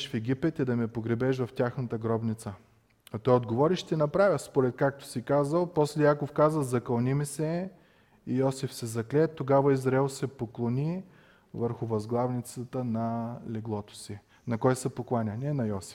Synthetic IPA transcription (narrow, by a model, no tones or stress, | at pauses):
ʃfɛɡʲipɛt̪id̪ɐmɛpoɡɾɛbɛʃ̬vɐftʲaxnət̪əɡɾɔbnʲit̪sə | ɐt̪ɔjod̪̚ɡovɔɾiʃt̪ɛnɐpɾavʲəspoɾɛt̪̚kak̚t̪ʊ̥sikazəlˠpɔslɛjakofkazəzɐkɐlˠnimisɛ | ijɔsifsɛzɐklɛt̪ːoɡavɐizɾɐɛlˠsɛpoklˠonʲi | vəɾxʊvɐzɡlˠavnit̪sət̪ənɐlɛɡlˠɔt̪ʊ̥si | nɐkɔjsɛpoklˠanʲɐnɛnɐjɔsi̥f